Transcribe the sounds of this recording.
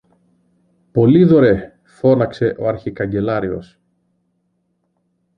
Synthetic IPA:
po̞liðo̞ɾe̞ | fo̞nɐkse̞ʔo̞ɐɾçikɐɲɟe̞lɐɾio̞̰s

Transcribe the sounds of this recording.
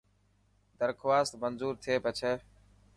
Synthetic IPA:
d̪əɾkʰʋaːst̪mənzuːɾt̪ʰeːpət͡ʃʰeː

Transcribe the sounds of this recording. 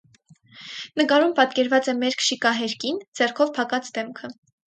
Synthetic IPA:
nəkɑɾumpɑt̪kɛɾvɑt͡sɛmɛɾkʰʃikɑɦɛɾkind͡zɛrkʰɔvpʰɑkɑt͡sʰd̪ɛmkʰə

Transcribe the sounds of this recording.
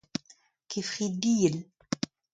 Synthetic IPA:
kifχid̪ijəl

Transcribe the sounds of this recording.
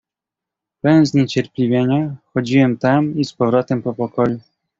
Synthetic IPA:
pɛwɛnzɲet͡ɕɛɾpʲlʲivʲjeɲaxɔd͡ʑiwɛmt̪amispɔvɾɔt̪ɛmpɔpɔkɔju

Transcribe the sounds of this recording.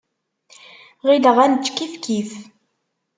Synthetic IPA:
ʁiləʁænt͡ʃːkifkʰiθ

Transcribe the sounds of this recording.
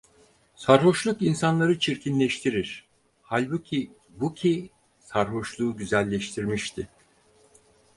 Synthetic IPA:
saɾɦo̞ʃlˠukinsanlˠaɾɯt͡ʃʰiɾcʰinlʲɛʃt̪ʰiɾiɾ̥ | halʲbucʰi | bucʰi | saɾɦo̞ʃlˠuːɟyzælʲːɛʃt̪ʰiɾmiʃt̪ʰɪ

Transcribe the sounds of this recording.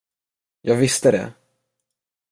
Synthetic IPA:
jʔɑːɡvɪst̪əd̪ɛ̰

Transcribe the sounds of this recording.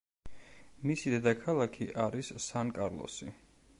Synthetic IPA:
misid̪ɛd̪akʰalˠakʰiʔaɾissankʼaɾlˠɔ̰si

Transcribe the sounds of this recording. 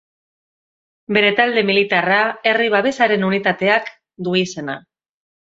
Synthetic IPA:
be̞ɾe̞t̪ald̪e̞milit̪arae̞riβ̞aβe̞saɾe̞nunit̪at̪e̞ak | d̪uise̞na

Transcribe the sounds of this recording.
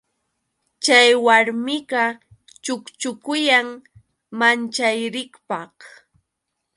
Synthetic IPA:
t͡ʃajwaɾmɪɢɑ | t͡ʃʊkt͡ʃʊkʊjaŋ | mant͡ʃajɾɪkpɑh

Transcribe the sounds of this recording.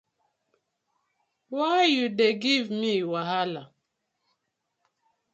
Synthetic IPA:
waɪjudeɡivmiwaɦala

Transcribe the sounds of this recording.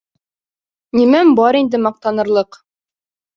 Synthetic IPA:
nimæmbɒɾind̪ɘmɑq̚t̪ɑnɤ̆ɾlˠɤq

